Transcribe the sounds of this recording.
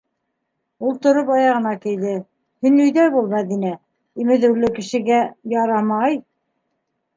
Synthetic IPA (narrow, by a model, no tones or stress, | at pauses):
ulˠt̪ŏɾopɑjɑʁɤ̆nɑkɘ̆jðɘ | hɵ̆nɵ̆jðæbulˠmæðinæ | imɘ̆ðɘ̆wlɘkɘ̆ʃɘ̆ɡæjɑɾɑmɑj